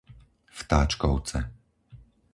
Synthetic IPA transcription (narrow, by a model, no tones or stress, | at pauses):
ft̪aːt͡ʃkɔʊt͡sɛ